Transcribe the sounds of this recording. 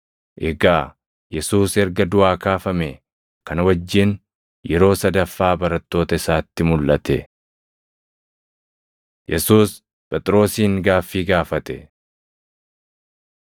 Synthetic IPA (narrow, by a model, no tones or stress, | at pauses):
ʔɛɡaː | jɛsuːsɛɾɡɐd̪ʊaːkaːfɐme | kɐnwɐd͡ʒːɪn | jɛɾo̞ːsɐd̪ɐfːaːbɐɾɐt̪ːo̞ːt̪ɐɪsaːt̪ːɪmʊlːɐt̪ɛ | jɛsuːs | pʼɛt̪ʼɾo̞ːsiːŋɡaːfːiːɡaːfɐt̪ɛ